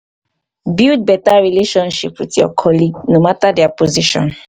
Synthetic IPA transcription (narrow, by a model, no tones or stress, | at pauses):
bild̚bɛtaɹileʃɔ̃nʃipwitjɔ̰kʰɔliɡnomatadɛapoziʃɔ̰̃n